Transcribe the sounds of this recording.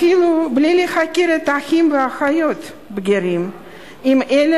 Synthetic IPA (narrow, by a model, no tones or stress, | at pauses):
ilˠublʲelʲexakʲeɾət̪axʲimvəaxajot̪ | bɡʲeɾʲim | imelʲ